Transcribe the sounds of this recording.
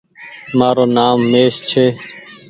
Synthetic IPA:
maːɾoːnaːmːeːst͡ʃʰeː

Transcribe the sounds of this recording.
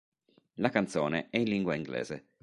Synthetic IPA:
lakant̪soːneʔɛinliŋɡwaiŋɡlɛ̰ːz̥ḛ

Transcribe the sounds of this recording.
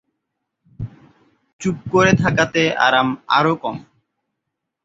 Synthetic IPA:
t͡ɕup̚koɾet̪ʰakat̪eʔa̰ɾama̰ɾokɔm

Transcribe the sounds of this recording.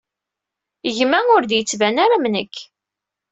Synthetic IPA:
əʝmæʊɾd̪jət͡sːvænaɾamnəkː

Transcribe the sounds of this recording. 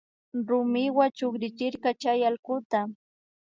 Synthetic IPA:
ɾʊmɪwat͡ʃokɾɪt͡ʃɪɾkat͡ʃajalkʊt̪a

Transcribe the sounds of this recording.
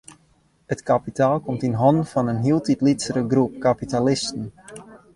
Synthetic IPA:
hətkapitaːlˠkɔmtinɦɔndfɔnənɦiəlˠtitlitsəɾəɡrup̚kapitalɪstən̩

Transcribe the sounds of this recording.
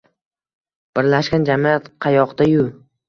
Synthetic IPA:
b̥ɪɾlaʃkʲand͡ʒamiat̪qʰɑjɒqd̪ajʊ

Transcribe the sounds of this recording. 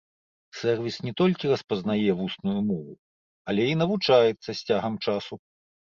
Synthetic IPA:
sɛrvʲisnʲɛt̪ɔlʲkʲirɐspɐznajɛvusnujumɔvu | ɐlʲɛin̪ɐvut͡ʂajɛt̪sːɐsʲt͡sʲaɣɐmt͡ʂasu

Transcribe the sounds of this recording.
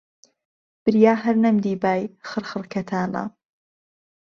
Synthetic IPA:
b̥ɨɾjaːɦɐɾnɐmd̪iːbaːjxɨɾχɨɾkʰɐt̪ʰaːnɐ̰

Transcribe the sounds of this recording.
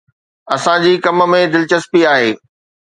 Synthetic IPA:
ɐsãd͡ʑiːkɐmə̆mẽd̪ɪlt͡ɕəspiaːɦeː

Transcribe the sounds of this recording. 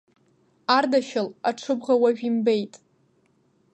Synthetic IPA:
ardaʃalaʈ͡ʂʰɨbʁawaʒᶣimbejtʼ

